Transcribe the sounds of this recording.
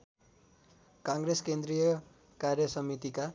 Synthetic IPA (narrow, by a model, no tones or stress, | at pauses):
kaŋɡɾeskend̪ɾijʌ | karjʌsʌmit̪ika